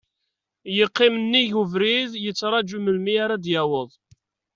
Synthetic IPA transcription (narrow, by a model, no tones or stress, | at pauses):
jəqːɪmənːiʝuvɾiðjət͡sːɾˤɑd͡ʒuməlmiaɾad̪jæwəðˤ